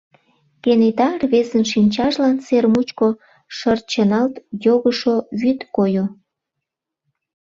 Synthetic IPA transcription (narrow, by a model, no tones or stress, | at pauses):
kenet̪ɑrβezənʃinʲt͡ɕɑʃlɑnt͡sermut͡ɕko | ʃər̚t͡ɕənɑlt̪joɣəʃoβyt̪kojo